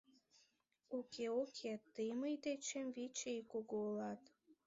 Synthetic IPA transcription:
ukʰeukʰet̪ɨjmɨjd̪et͡ɕemvit͡ɕejkuɡolɑt̪

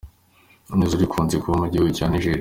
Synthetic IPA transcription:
umezuɾikʰuːnzekuβomuɾɟihuɡucaniʒeːɾi

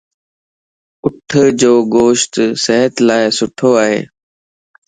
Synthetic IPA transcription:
ʊʈʰəd͡ʒoːɡoːʃt̪səɦət̪laːɪsʊʈʰoːaːɦḛː

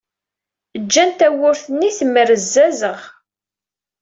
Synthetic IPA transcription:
əd͡ʒːænt̪æwʊɾθənːiθməɾəzːæzəʁ

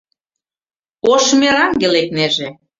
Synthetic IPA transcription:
oʃmeɾɑŋɡelek̚neʒe

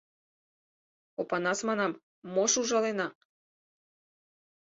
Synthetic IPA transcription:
opanasmanam | moʃuʒalena

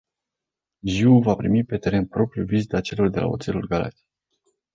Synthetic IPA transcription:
ʒiuvapɾimipe̞t̪e̞ɾe̞npɾo̞pɾjuvizit̪at͡ʃe̞lo̞rd̪e̞lʔa̰o̞t̪se̞lulɡala̰t̪ʲi̥

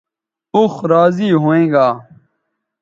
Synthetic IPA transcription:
uxɾaːziːɦoːẽːɡaː

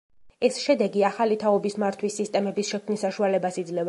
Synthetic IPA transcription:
ɛsʃɛd̪ɛɡiaχalit̪ʰaɔbismaɾt̪ʰwisːist̪ʼɛmɛbisʃɛkʰmnisːaʃualɛbasid̪zlɛv

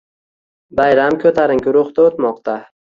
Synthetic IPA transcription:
bajɾamkʲʰɵt̪ʰaɾɪŋkʲʊɾʊχt̪aot̪mɒq̚t̪ʰa

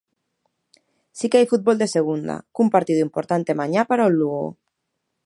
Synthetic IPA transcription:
sikeajfut̪̚bold̪eseɣ̞und̪a̰kumpaɾt̪iðuimpoɾt̪ant̪emaɲapaɾaulːuɣo̰

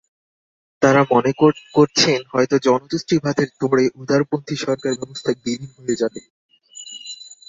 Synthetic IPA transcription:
t̪aɾamoneokoɾt͡ɕʰenɦɔet̪od͡ʑɔnot̪usʈɾibʱad̪ʱeɾd̪ʱoɽeʔud̪ʱaɾopont̪ʰiʃɔɾkaɾbɛbost̪ʰabilinɦojed͡ʑabe

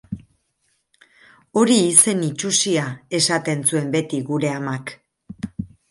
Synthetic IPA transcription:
o̞ɾiːse̞nit͡ʃusiae̞sat̪e̞nsue̞mbe̞t̪iɣuɾe̞amak

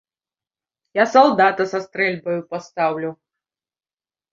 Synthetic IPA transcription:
jasalˠd̪at̪ɐsɐst̪ɾɛlʲbɐjupast̪awlʲu

